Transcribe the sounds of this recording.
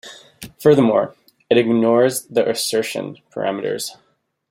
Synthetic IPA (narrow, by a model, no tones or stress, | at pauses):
fɜ˞ðə˞mɔɹ | ɨɾɨɡnɔɹzðiʔɨsɜ˞ʃɨ̰̃npʰə̰˞ʔæ̰mɨɾə̰˞z̥